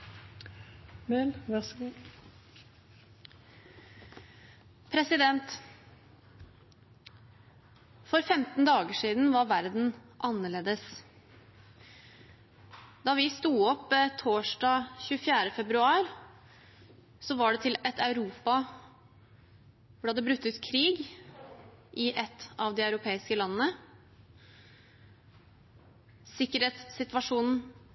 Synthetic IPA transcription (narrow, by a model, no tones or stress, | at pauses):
mɛlʋɛs | pʰɾɛsɪd̪ɛnt̪ | fɔɾfɛmt̪n̩d̪ɑːɡəʂiːd̪n̩ʋɑɾʋæɾd̪n̩ | ʔɑnːəɭeːd̪əs | d̪ɑːʋɪst̪uːɔpːt̪ʰoːʂɖɑçʉːəfjæːɾəfɛbɾʉɑːɾ | sɔʋɑɖɛt̪ʰɪlɛt̪ɑʉɾuːpɑ | ʋʊɖhɑd̪ːəbɾʉt̪ːʉt̪kʰɾiːɡ | ʔɪʔɛt̪ːɑʋd̪ɪɑʉɾʊpʰeːɪskəlɑnːənə | sɪkːəɾeːt̪sɪt̪ʋɑʂuːnn̩